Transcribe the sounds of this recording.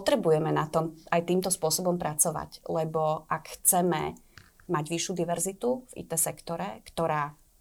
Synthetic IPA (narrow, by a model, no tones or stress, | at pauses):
pɔt̪ɾɛbujɛmɛnat̪ɔmajt̪iːmt̪ɔspʊɔsɔbɔmpɾʔat͡sɔʋa̰ɟlɛbɔʔakxt͡sɛmɛ̰ | maɟʋiʃjud̪iʋɛɾzit̪uvḭt̪ɛsɛkt̪ɔɾɛkt̪ɔɾaː